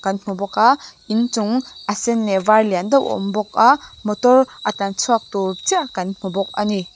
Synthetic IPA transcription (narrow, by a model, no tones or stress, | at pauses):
kanmubɔka | int͡ʃuŋasenːebaɾlijandaɔ̰mbɔk̚amɔtɔɾatansʰak̚tut͡ʃiakanmubɔk̚ani